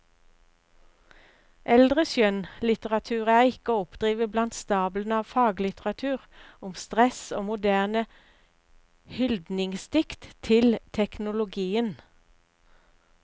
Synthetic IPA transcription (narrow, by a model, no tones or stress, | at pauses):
ʔɛld̪ʁəsjœnlɪt̪əʁɑt̪ʰʉːʁæːʁɪkəɔpd̪̥ʁiːʋəblɑnt̪st̪ɑːblənɑːʋfɑːɡlɪt̪əʁɑt̪ʰʉːʁʊmst̪ʁɛsoːmʊd̪æːʁnə | hʏld̪nɪŋst̪ɪkt̪t̪ʰɪlt̪ʰɛknʊlʊɡiːən